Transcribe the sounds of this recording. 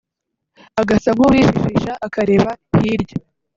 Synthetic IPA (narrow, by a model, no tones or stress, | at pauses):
aɡasaŋuwiʃiʃiʃaʔːkaɾe̞ːβahiɾɟa